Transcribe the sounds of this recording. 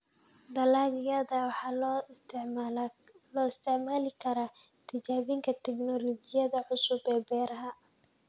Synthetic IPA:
d̪ɐlaːɣɪjɐðɐwħɑ | lɔːɪst̪ʰɛʕmaːlɪkʰɐɾa | t̪ʰɪt͡ʃaːβɪŋkʰɐt̪ʰɛɡnɔlɔt͡ʃɪjɐðɐʕʊsʊbɛːbɛːɾɐɦɐ

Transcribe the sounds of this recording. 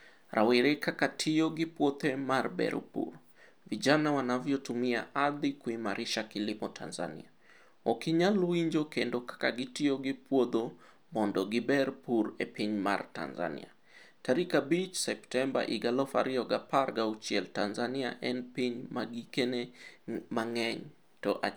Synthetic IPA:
ɾʔawiɾɛkakatʰiɔɡipwɔt̪ɛmaɾbɛ̰ɾ̰pṵɾ | viʄanawanavjɔtumia̰ʔaðikuimaɾʔiʃakilimɔtʰa̰nza̰nḭa | ɔkiɲaluiɲd͡ʒɔkɛndɔkḁkaɡitiɔɡipwɔðɔ | mɔndɔɡibɛɾpuɾɛ̰piɲma̰rta̰nza̰nḭa̰ | taɾikabit͡ʃsɛptɛmba̰ʔiɡalɔfa̰ɾiɔɡapaɾɡaut͡ʃɛltanzaniaʔɛnpiɲmaɡikɛnɛmaŋɛɲ | tɔʔa̰

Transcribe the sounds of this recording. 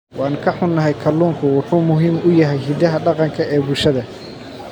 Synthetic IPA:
wʔɑːnkʰɐħʊnːɐɦɛjkʰɐlːuːŋkʰʊwɑħuːmʊɦiːmʊjɐɦɛjɦid̪ɐɦɐɖɑqɑŋkʰɐɛːbʊlʃɐðɐ

